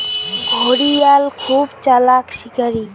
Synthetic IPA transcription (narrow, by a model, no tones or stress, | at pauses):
ɡʱoɽijalkʰubt͡ɕalakʃikaɾi